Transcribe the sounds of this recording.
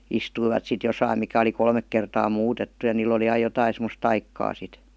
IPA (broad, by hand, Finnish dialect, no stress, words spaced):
istuiʋɑt sit josɑim mikæ oli kolmek kertɑː muːtetːu jɑ niːl oli ɑij̆ jotɑin semos tɑikːɑː sit